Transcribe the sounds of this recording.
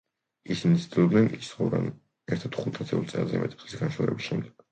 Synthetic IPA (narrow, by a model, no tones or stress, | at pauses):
isinit̪sd̪ilˠɔbd̪nɛnist̪χɔvɾa̰n | ɛɾt̪ʰadt̪χut̪ʰat̪sʰɛulˠtsʼɛlˠzɛ̰mɛt̪ʼi̥p̪ʼlisɡanʃɛ̰ɾɛ̰bisʃɛmd̪ɛɡ̥